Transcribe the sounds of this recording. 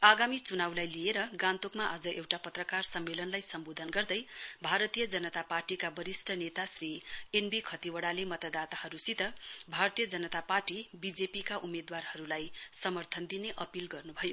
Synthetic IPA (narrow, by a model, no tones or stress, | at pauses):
aɡamit͡sunawlajlieɾʌɡãnt̪okmaʔad͡zʌʔewʈapʌt̪rʌkarsʌmːelʌnlajsʌmbod̪ʱʌnɡʌrd̪ʌjbʱaɾʌt̪ijʌd͡zʌnʌt̪aparʈikabʌɾisʈʰʌnet̪asrienbikʰʌt̪iwʌɽalemʌt̪ad̪at̪ahʌɾusit̪ʌbʱart̪ijʌd͡zʌnʌt̪aparʈibid͡zepikaʔumed̪warhʌɾulajsʌmʌrt̪ʰʌnd̪ineʔʌpilɡʌrnubʱʌjo